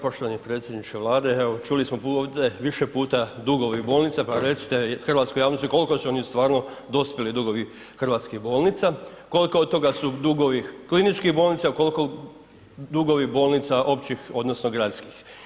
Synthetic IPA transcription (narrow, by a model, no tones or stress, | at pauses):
po̞ʃt̪oʋanipɾe̞ːt̪sjed̪nit͡ʃeʋlˠaːd̪eeʋot͡ʃulismopuoʋd̪eʋiʃepuːt̪ad̪uɡo̞ʋibo̞ːlˠnit̪sapaɾe̞t̪si̥t̪exrʋaːt̪skojaːʋnost̪iko̞likosuonist̪ʋaːɾno̞d̪o̞spʲjelid̪uɡo̞ʋi | xr̩ʋaːt̪skiɣbo̞ːlˠnit̪sa | ko̞likood̪̚t̪o̞ɡasud̪uɡoʋiklinit͡ʃkiɣbo̞ːlnit̪sako̞lko | d̪uɡo̞ʋibo̞ːlˠnit̪saʔo̞pt͡ʃixo̞d̪nosnoɡɾat̪skix